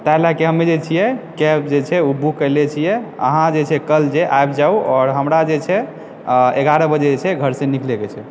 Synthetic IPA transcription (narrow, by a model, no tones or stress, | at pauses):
t̪aɦlakeɦəmːed͡ʒet͡ʃʰijɛkɛp̚d͡ʒet͡ʃʰɛubʱukəɪlet͡ʃʰijɛə̰ɦãd͡ʒet͡ʃʰɛkəld͡ʒeʔajbd͡ʒauɔːɾɦəmɾad͡ʒet͡ʃʰɛ | eɡaɾəbəd͡ʒed͡ʒet͡ʃʰɛɡʱəɾsẽnikleket͡ʃʰɛ